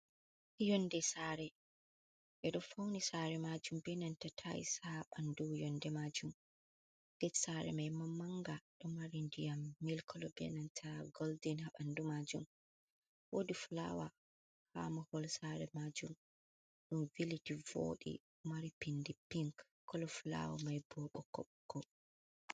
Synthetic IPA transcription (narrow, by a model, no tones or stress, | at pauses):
jɔndɛsaɾɛ | ɓɛɗɔfawnisaɾɛmad͡ʒumbɛnantatʰaḭsaɓandujɔndɛmad͡ʒum | ɡ̥ɛsaɾɛ̰majmamːaŋɡaɗɔmaɾindijamːilkʰɔlɔbɛ̰nantʰaɡɔldinhaɓandumad͡ʒum | wodifla̰wa | ha̰mɔhɔlsaɾɛmad͡ʒum | ɗunvilitivo̰ɗḭ | maɾipindipiŋk | kːɔlɔfla̰wamajbɔɓɔkɔ̰ɓkːɔ